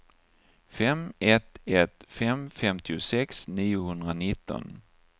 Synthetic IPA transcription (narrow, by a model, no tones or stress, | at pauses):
fɛmɛt̪ɛt̪fɛmfɛmt̪ʰɪʊsɛksniːʊhɵnd̪ɾanɪt̪ːɔ̰n